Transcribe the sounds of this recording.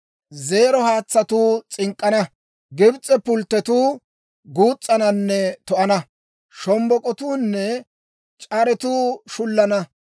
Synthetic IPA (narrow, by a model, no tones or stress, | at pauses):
ze̞ːɾɔhaːt͡sːɐt̪uːt͡sʼɪŋkʼːɐnɐ | ɡɪbt͡sʼːɛpʊlt̪ːɛt̪uː | ɡuːt͡sʼːɐnɐnːɛt̪ɔʔɐnɐ | ʃɔmbɔkʼɔt̪uːnːɛ | t͡ʃʼɐɾɛt̪uːʃʊlːɐnɐ